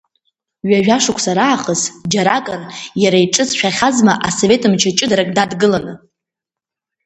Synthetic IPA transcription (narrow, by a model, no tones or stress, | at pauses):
ɥaʒᶣaʂʊkʷʰsaɾaːχəsd͡ʒaɾakʼɨrjaɾaiʈ͡ʂʼɨsʃᶣaχʲazmaʔaso̞ve̞tʼɨmt͡ʃʰat͡ʃʼɨdaɾakʼdadɡɨlanɨ